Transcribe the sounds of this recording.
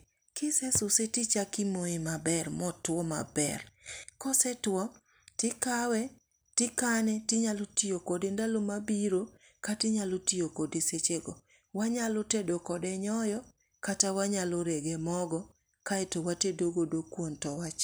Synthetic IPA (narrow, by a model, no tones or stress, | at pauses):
kɪsɛsʊsetit͡ʃakɪmoɪmabɛrmɔtwɔma̰bɛ̰rkɔsɛtwɔ | tɪkawɛ | tɪkanɛtɪɲalotijokodendalomabiɾo | katɪɲalotijokodeset͡ʃeɡo | waɲalotedokɔdɛɲɔjɔ | katawaɲaloɾeɡemɔɡɔ | kaɛtowatedoɡodokwontɔwat͡ʃ